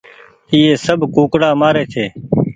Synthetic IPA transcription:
iːeːsəbʱkuːkɽaːmaːɾeːt̪ʰeː

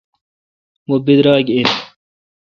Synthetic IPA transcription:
mobid̪ɾaːɡin

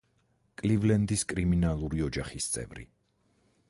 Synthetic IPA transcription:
kʼlivlɛnd̪iskʼɾiminalˠuɾiɔd͡ʒaχist̪sʼɛ̰vɾḭ

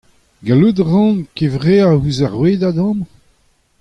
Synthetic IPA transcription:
ɡalud̪ʁɑ̃kevʁeahuzaʁweːd̪ad̪ɑ̃m

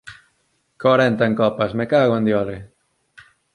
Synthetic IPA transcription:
koɾent̪aeŋkɔpasmekaɣwand̪jɔle

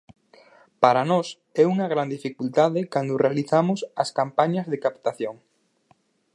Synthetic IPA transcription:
paɾanɔs | ɛuŋɐɣɾand̪ifikult̪aðɪkand̪ʊrealiθamʊsɐskampaɲɐzðekapt̪aθjoŋ

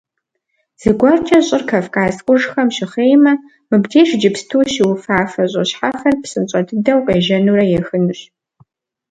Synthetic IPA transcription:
z̥ɨɡʷɐrt͡ʃʼɐɕʼɪrkʰɐfkʼaːzqʷʼʊʐxɐmʃɪχeːjmɐ | mɨbdʰeːʂd͡ʒɪpstʰuːʃɪwʊfaːfɐɕʼɐɕħafɐrpsɨnt͡ʃʼɐdʰɨdɐwqeːʒɐnuːrɐjɛxɨnɨɕ

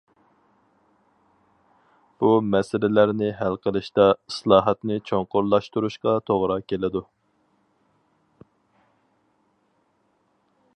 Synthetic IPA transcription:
b̥umɛsɪlɪlæɾnɪɦælqəlˠɨʃt̪ɑislˠɑːɦɑt̪nɪt͡ʃʰoŋqʊɾlˠɑʃt̪uɾuʃqɑt̪ʰoʁɾɑkʲʰelɪd̪u

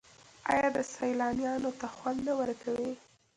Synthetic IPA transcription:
ɑ̰jɑd̪əsajlɑnjɑnot̪axwand̪nawəɾkawi

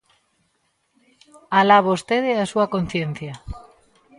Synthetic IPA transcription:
alaβost̪eðeasuakon̟θjen̟θja

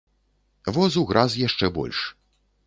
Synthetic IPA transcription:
vɔzuɣɾazjaʂt͡ʂɛbɔ̰lʲʂ

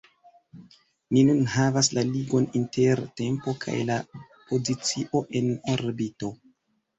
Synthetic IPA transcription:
ninunɦavas̬laliɡo̞nintʰe̞ɾte̞mpo̞kʰa̰jla | po̞zit͡siʔo̞ʔe̞noɾbito̞

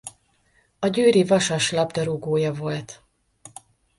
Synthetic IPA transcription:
ɒɟøːɾivɒʃɒʃlɒbd̪ɒɾuɡoːjɒvo̞lt̪

